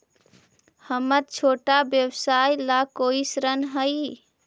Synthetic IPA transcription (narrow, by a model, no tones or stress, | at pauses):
həmət̪̚t͡ʃʰoʈabjəbsajlakoisɾənɦəj